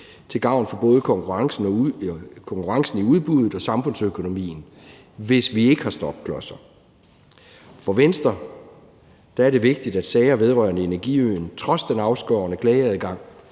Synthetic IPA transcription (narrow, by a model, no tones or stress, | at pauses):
t͡sʰe̝lɡ̥ɑ̈ʊ̰nfɒ̽b̥ɔ̽ːð̞ˠəkʰɒ̽ŋkʰuʁɑ̈ŋsn̩ɒkʰɒ̽ŋkʰuʁɑ̈ŋsn̩iuð̞ˠb̥uð̞ˠð̩ˠɒ̽sɑ̈mfɔ̽n̰søkʰo̝no̝mḭːn̩ | ʋe̝sʋie̝ɡ̥əhɑ̈sd̥ɒ̽b̥̚kʰlɒ̽sɐ | fɒ̽ʋensd̥ɐ | d̥æ̈æɐɾe̝ʋe̝ɡ̥̚d̥id̥æd̥sɛɪɐʋe̝ð̞ˠʁɶɐnəe̝næɐɡ̥iønt͡sʰʁɒ̽sd̥enɑ̈ʊsɡ̥ɒʊɐnəkʰlɛːɪɐðˠiɡ̥ɑ̈ŋ̰